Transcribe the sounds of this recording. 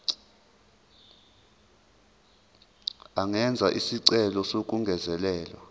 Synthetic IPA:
aŋɛnd͡zʱaʔisiǀɛlɔsok̬ʼuŋɡʱɛzɛlɛːlɔ̰

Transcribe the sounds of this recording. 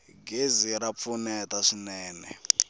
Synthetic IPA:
ɡeziɾap̪funɛtaʂinɛːnɛ̰

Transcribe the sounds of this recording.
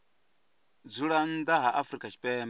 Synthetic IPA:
d͡zuɺandaɦaʔafɾikʼat͡ʃi̥pɛːm

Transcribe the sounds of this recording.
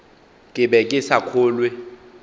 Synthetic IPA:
kʼɪbɛkʼɪsakʰoːlwe

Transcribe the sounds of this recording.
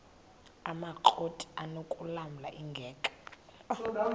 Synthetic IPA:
amaǃʰotʼi̥anokʼulamula̰ʔiŋɡʱɛːkʼḁ

